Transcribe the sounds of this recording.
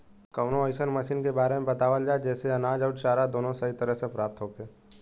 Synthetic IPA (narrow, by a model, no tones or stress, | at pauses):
kəʊnõəɪʃənmɐʃiːnkebaːɾemẽbɐt̪aːʋəld͡ʒaːed͡ʒɛːseɐnaːd͡ʒəʊʈt͡ʃaːɾad̪oːnõsəit̪ɐɾəɦsepɾaːp̚t̪ɦoːkeː